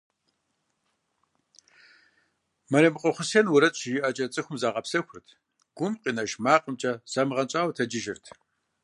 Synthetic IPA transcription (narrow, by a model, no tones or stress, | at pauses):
mɐɾɐmɨqʷʼɔχʷʊseːnwʊɾɐɕʼjɪʔɐt͡ʃʼɐt͡sʼɨxʷʊmzaːʁʼɐpsɐxʷʊrtʰ | ɡ̥ʷʊmqʼiːnɐʃmaːqʼəmt͡ʃʼɐsamɨʁɐnt͡ʃʼaːwtʰɐd͡ʒɪʒɪrtʰ